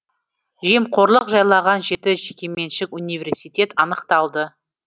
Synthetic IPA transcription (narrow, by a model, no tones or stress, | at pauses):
ʒe̞mqʰo̞ɾlˠəqʒɑjlˠɑʁɑnʒe̞t̪ɪʒekʲe̞me̞nʃɪkunijvʲe̞rsijt̪ʲe̞t̪ɑnəqt̪ɑlˠd̪ə